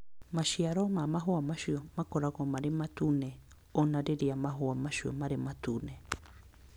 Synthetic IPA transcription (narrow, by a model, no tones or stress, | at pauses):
maʃiaɾomamaɦoamaʃiomakoɾakomaɾemat̪une | onaɾeɾiamaɦoamaʃio̰maɾemat̪une